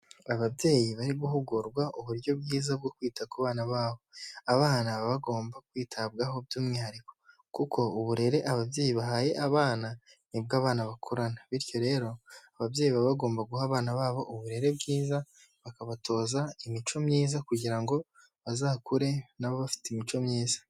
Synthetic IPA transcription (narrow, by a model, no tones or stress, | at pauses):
aβabje̞ːjiβaɾiβuhuɡuɾɡwaʔuβuɾjo̞bɡiːzab̚ɡokwiːtakwaβaːnaβaːβo̞aβaːnaβaβaɡo̞ːmbakwiːtʰabɡaɦo̞bɟuːmŋihaɾiko̞̥ | kukʰo̞uβuɾe̞ɾe̞ʔaβabje̞ːjiβaɦaje̞ʔaβaːna | nibɡaːβaːnaβakʰoɾanaβiɾjo̞ɾe̞ːɾo̞aβavje̞ːjiβaβaɡo̞ːmbaɡuhaβaːnaβaːβo̞ʔuβuɾe̞ɾe̞bɡiːza | βakaβatʰo̞ːzaimit͡ʃo̞mɲiːzakuɟiɾaŋɡo̞ | βazaːkuɾe̞naβoβafi̥teimit͡ʃo̞mɲiːzḁ